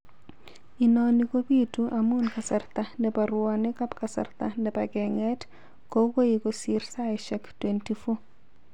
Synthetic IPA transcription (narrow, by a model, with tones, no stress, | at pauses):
i˨nɔ˨ni˦ko˦bi˦tuʔa˨mu˦nka˨sa˨rt̪a˨nɛ˨pa˨ɾwɔ˨nɪ˦ka˦pka˨sa̰˨rt̪a˨nɛ˨paɡɛ˨ŋɛ˦t | ko˦ko˦jiko˨si˦ɾsa˦ɪ˨ʃɛ˦ktwenti˦fo˦